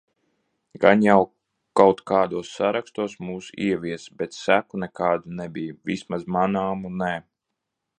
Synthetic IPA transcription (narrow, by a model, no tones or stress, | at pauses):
ɡ̥anjaw | kawt̪kaːd̪uɔsːaɾakst̪uɔsmuːsiɛʋiɛsbɛt̪sækunɛkaːd̪unɛbijvismazmanaːmunɛ